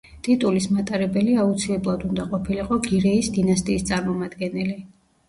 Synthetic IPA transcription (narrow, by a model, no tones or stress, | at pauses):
t̪ʼit̪ʼulismat̪ʼaɾɛbɛliaut̪sʰilɛblˠad̪und̪aqʼɔpʰiliqʼɔɡiɾɛisd̪inast̪ʼiːst̪sʼaɾmɔmad̪ɡɛnɛli